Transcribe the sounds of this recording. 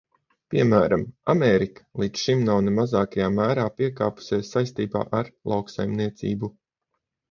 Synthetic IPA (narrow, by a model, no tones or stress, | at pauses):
piɛmæːɾama̰meːɾikḁlˠit̪sʃimnawnemazaːkajaːmæːɾaːpiɛkaːpu̥sʲeːsːajst̪iːba̰ːʔaɾlˠawksa̰jmniɛt̪sḭːbu